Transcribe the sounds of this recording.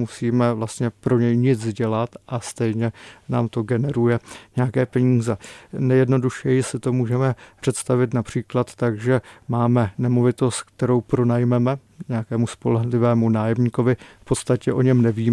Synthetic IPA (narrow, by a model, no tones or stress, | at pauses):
musiːmɛvlast̪ɲɛpɾo̞ɲɛjɲɪd͡zzɟɛlat̪ʔast̪ɛjɲɛnaːmt̪o̞ɡɛnɛɾujɛɲɛjakɛːpɛɲiːzɛnɛjɛdno̞duʃɛjɪsɪt̪o̞muːʒɛmɛpr̥ɛt̪st̪avɪt̪napr̝̥iːklat̪ːaɡʒɛmaːmɛnɛmo̞vɪt̪o̞st̪k̚t̪ɛɾo̞wpɾo̞najmɛmɛ | ɲɛjakɛːmuspo̞lɛɦlɪvɛːmunaːjɛmɲiːko̞vɪfpo̞t̪st̪acɛʔo̞ɲɛmnɛviːm